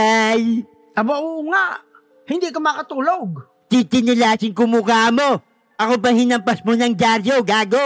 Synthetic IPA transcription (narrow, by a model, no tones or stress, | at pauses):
aj | ʔɐbaʔuŋaʔ | hɪnd̪ikɐmkɐt̪uːloɡ̚ | t͡ʃit͡ʃɪnɪlaːt͡ʃɪŋkʊmukamo̞ | ʔɐkopɐŋhɪnɐmpɐsmonɐŋd͡ʒaɾjoɡaːɡo